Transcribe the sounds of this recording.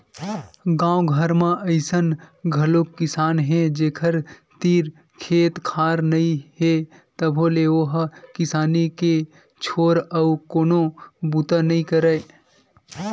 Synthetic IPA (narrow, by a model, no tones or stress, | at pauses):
ɡãːwɡʱəɾmãʔəɪsənɡʱɐlokːɪsaːnɦẽd͡ʒeːkʰəɾt̪iːɾ | kʰeːt̪kʰaːɾnɐĩɦe | t̪əbʱoːleoɦkɪsaːnike | t͡ʃʰoːɾɐukoːnobut̪anɐĩkəɾəe